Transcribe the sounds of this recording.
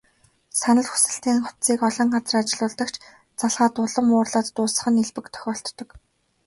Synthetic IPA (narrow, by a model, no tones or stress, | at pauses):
sanə̆ɮxu̥sɘ̆ɬt̪iːŋχʊ̥t̪t͡siːkɔɮɞ̆ɴɢat͡sə̆rat͡ɕɪ̆ɮʊːɮt̪ə̆kt͡ɕ | t͡saɮʁaːt̪ʊɮɞ̆mʊːrɮaːt̪ːʊːsə̆χə̆neɮpɘ̆kt̪ʰœ̥xʲɔːɬt̪ːɞ̆k